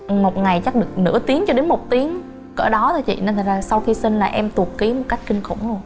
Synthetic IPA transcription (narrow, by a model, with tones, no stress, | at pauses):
mo˨˩t̚ŋa˨˩jt͡ɕa˦˥ɗɨ˨˩ək̚nɨ̰˧˥ət̪i˨˦əŋt͡ɕɔ˧ɗe˨˦nmo˨˩t̚t̪i˨˦əŋ | kəː˧˩ɗɔ˨˦t̪ʰəː˨˧˩t͡ɕḭ˧˨nə˧˩t̪̚ʰːzaː˧˩sa˧wxi˧si˧n̟laː˨˩ʔɛ˧mt̪u˨˩ək̚ki˨˦əmo˨˩t̚ka˦˥jk̟̚kï˧ŋ̟xʊ̰˧˩ŋ͡mzo˧